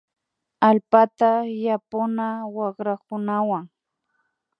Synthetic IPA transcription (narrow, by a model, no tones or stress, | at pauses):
alpat̪ajapʊnawɑχɾakʊnawaŋ